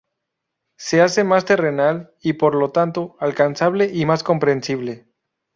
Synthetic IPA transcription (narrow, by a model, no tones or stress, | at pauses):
se̞ase̞mast̪e̞re̞nal | ipo̞ɾlo̞t̪ant̪oalkansaβ̞le̞ʔimasko̞mpɾe̞nsiβ̞le̞